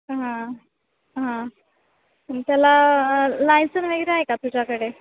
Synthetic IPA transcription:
ɦã | ɦã | ət̪jalalajnsənʋeɡɾeaɦekat̪ud͡ʑakəɽe

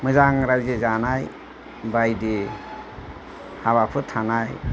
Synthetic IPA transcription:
mɯzaŋɾajzezanaj | bajde | haβapʰɯtʰanaj

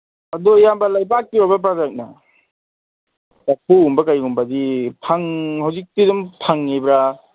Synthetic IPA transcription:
adɔjambɐlajbak̚tiɾɔbap̬ɾazak̚na | apʰuumbɐkajɡumbadipʰaŋhawzik̚tidumpʰaŋːebɾa

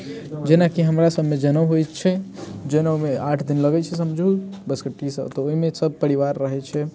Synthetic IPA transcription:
d͡ʒenakiɦəmɾasəbʱmed͡ʒənəʋɦojt̪t͡ʃʰɛd͡ʒənəwmeaʈʰd̪inləɡɛt͡ʃʰɛs̬əmd͡ʒʱubəskəʈisə̰t̪ɔoɦimesəb̚pəɾiʋaɾːəɦɛt͡ʃʰɛ

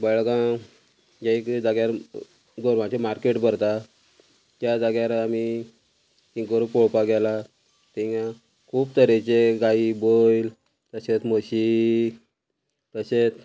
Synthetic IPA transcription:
bəɭɡã | jaikd͡zaɡjaɾ | ɡoɾʋãt͡ɕemaɾkeʈbəɾt̪a | t̪jad͡zaɡjaɾami | t̪ĩkoɾupoɭpaɡɛla | t̪ĩŋã | kʰuːbt̪əɾet͡ɕeɡaibojl | t̪əɕet͡s̪məɕi | t̪əɕet͡s

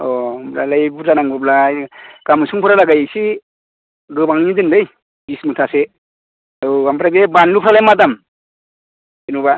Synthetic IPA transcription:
ɔmbɾalajbutanaŋɡɯblaɡ̥amɯsuŋpʰɯɾalaɡajsi | ɡɯbaŋnidɯnlɯj | bismutʰase | ɯampɾaɡebanlupʰɾalajmadam | inuba

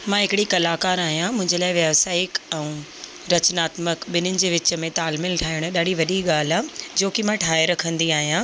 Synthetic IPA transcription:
mãɦɪkɪɽikɐlaːkaːɾaːɦijãmʊ̃ɦɪ̃ɲd͡ʑəlaːɪʋjɐʋsaːɪkɛ̃ũ | ɾɐt͡ɕnaːt̪məkɓɪnʊnɪ̆d͡ʑeːʋɪt͡ɕə̆mẽt̪aːlmɪlʈʰaːɪɽ̃ʊɗaːɖiʋɐɗiɠaːl̤ad͡ʑoːkɪmãʈʰaːeɾɐkʰə̃nd̪iaːɦijã

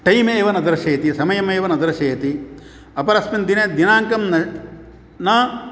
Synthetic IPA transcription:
ʈɐjmeːʋɐnɐd̪ɐɾɐʃɐːɐt̪isɐmɐjɐmeːʋɐnɐd̪ɐɾɐʃɐːɐt̪i | ɐpɐɾɐsmind̪ined̪inaːŋkɐmnɐ | nɐ

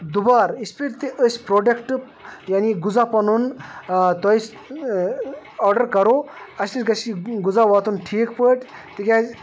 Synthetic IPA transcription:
d̪ubaːɾispiɾt̪iʔəsʲpɾoːɖekʈp | janiɡud͡zapɐnunt̪ɔjis | ɔːɾɖɐɾkɐɾoɐsniɾɡɐsiɡud͡zaʋaːt̪unʈʰiːkpəʈt̪ikʲa

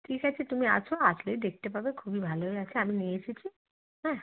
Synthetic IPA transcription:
ʈʰikat͡ɕʰet̪umia̰t͡ɕʰoaslejd̪ek̚ʰt̪epabekʰubibʱaloeat͡ɕʰeaminit͡ɕʰit͡ɕʰi | ɦɛ̃

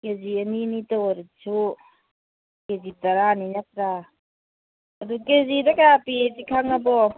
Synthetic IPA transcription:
keziɐninitawaɾit͡ʃʰu | kezitaɾaninatɾa | ɐdukezidakapitikʰaŋabɔ

